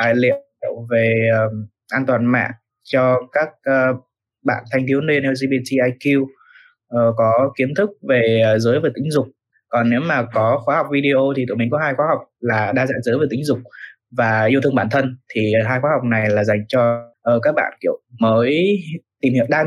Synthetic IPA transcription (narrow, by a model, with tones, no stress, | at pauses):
lḭ˧˨əwlə˨wve˨˩əː˨˩ | ʔaː˧nt̪waː˨˩nma̰ː˧˨n | t͡ɕɔ˧kaː˦˥k̚ə˨˧ | ɓa̰ː˧˨nt̪ʰa˧jŋ̟t̪ʰi˨˦wne˧nɛ˧zi˧ɓi˧t̪ʰi˧ʔaː˧jki˧w | ʔə˨˩kɔ˨˦ki˨˦ənt̪ʰɨ˦˥k̚ve˨˩˨zɨː˨˦jve˨˩t̪ï˨˦ŋ̟zʊ˨˩k͡p̚ | kɔ˨˩nːḛ˧˥wmaː˨˩kɔ˨˦xwaː˨˦ha˨˩wk͡p̚vi˧ɗi˧ʔo˧t̪ʰi˨˩t̪ṵ˧˨˩mï˨˩ŋ̟kɔ˨˦ɦaː˧jxwaː˨˦ɦa˨˩wk͡p̚laː˨˩ɗaː˧za̰ː˧˥zɨː˨˦jve˨˩t̪ï˨˦ŋ̟zʊ˨˩k͡p̚ | vaː˨˩ʔi˧wt̪ʰɨ˧əŋɓaː˧˩nt̪ʰə˧nt̪ʰi˨˩ɦaː˧jxwaː˨˦ɦwk͡p̚na˨˩jlaː˨˩za˨˩jŋ̟t͡ɕɔ˧ʔəː˨˩kaː˦˥k̚ɓa̰ː˧˨nkḭ˧˨əwməː˨˦jt̪i˨˩mhḭ˧˨wɗaː˧